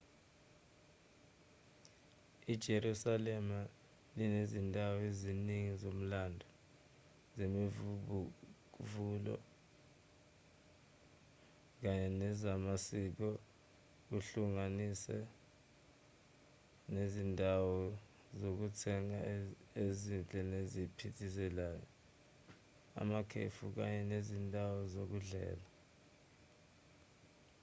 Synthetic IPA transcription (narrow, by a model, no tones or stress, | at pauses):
id̥ʒ̥ʱeɾusalɛma | linezindʱawɔeziniŋizom̩laːndʱɔ | zemi | k̬vuːlɔ̰ | k̬aɲɛnɛzamasik̬ɔ | uɬuŋanisɛ | nezindʱawɔ | zok̬utʰɛŋaezind͡ɮʱʼɛnezipʰitʰis̬ɛlajɔ | a̰makʰḛfuk̬a̰ɲɛnezindʱawɔzok̬uɮɛ̰ːla